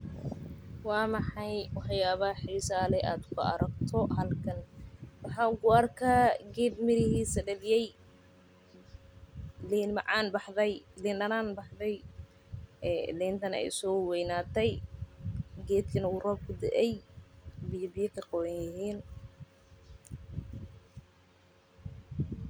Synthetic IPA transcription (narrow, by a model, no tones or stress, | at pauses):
wɑːmɑħɑjwɑħjaːβɐhħiːsaːlɛʔaːd̪kʰʊɐ̰ɾɐɡt̪ʰɔhɐlkʰɐnwɑħɑːʊɡʊɐrkʰaːɡɛːd̪mɪɾɪhiːsɐɖɐlɪjɛj | liːnmɑʕɑːnbɑħðɛjliːnɐnaːnbɑħðɛj | ɛːlɛːnt̪ʰɐnɛ̰jsɔːwɛjnaːt̪ʰɛj | ɡɛːd̪kʰɐnɐwʊrɔːb̚kʰʊd̪ɛ̰ʔɛj | bɪjɐbɪjɛkʰɐqɔwɐnjɪɦiːn